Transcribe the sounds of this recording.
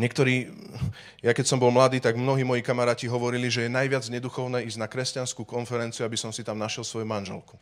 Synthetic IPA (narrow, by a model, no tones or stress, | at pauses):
ɲɛkt̪ɔɾiː | jakɛcsɔmbɔlmlad̪iːt̪aɡmnɔɦiːmɔjikamaɾaːciɦɔʋɔɾiliʒɛjɛnajʋɪad͡zɲɛd̪uxɔʊnɛːizɟnakɾɛscanskuːkɔnfɛɾɛnt͡siuabisɔmsit̪amnaʃjɛlsʋɔjumanʒɛ̰lku̥